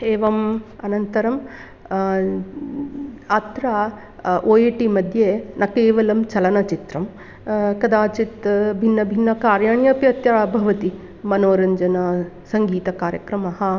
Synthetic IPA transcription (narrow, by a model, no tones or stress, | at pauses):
eːʋɐmɐnɐnt̪ɐɾɐm | ɐt̪ɾa | ʔoːjeːʈimɐd̪ʱjeːnɐkeːʋɐlɐmt͡ʃɐlɐnɐt͡ʃit̪ɾɐm | kɐd̪aːt͡ʃit̪bʱinːɐbʱinːɐkaːɾjaːɳjɐpjɐt̪jɐbʱɐʋɐt̪i | mɐnoːɾɐɲd͡ʒɐnɐ | sɐŋɡiːt̪ɐkaːɾjɐ̰kɾɐmɐɦɐ